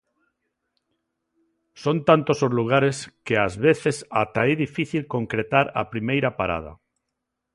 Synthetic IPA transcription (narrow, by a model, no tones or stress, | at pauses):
sont̪ant̪osozluɣ̞aɾeskeazβeθesat̪aɛðifiθilkoŋkɾet̪aɾa̰pɾimejɾapaɾa̰ða̰